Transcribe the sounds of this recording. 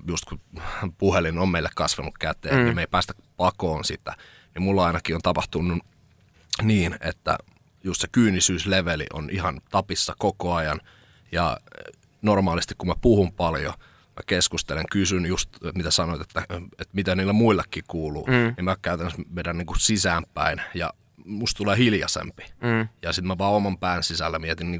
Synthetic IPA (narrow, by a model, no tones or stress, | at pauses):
just̪kupuhelinommeilːekɑsʋɑnukkæt̪ḛːnnimmeipæːst̪æ̥ | pɑkoːnsit̪æ̰ | nimmulːɑɑinɑkiont̪ɑpɑht̪unːu | niːnḛt̪ːæ̰ | just̪se̥kyːnisyːsleʋelḭʔo̰nʔihɑnt̪ɑpisːɑkokoɑjɑn | jɑ̰ | normɑːlist̪ikkumæpuhumpɑljo̰ | mæ̰keskust̪eleŋkysynjust̪mit̪æsɑnoit̪et̪ːæet̪mit̪æniːlːæmuilːekːiːkuːluːnimmækæyt̪ænːsmeˑiɾænniːŋkusisæːmppæ̰injɑ̰ | must̪t̪uleːhiljɑ̰sḛmpi̥jɑsit̪mæʋɑːomɑmpæːnsisælːæmiet̪inniːŋ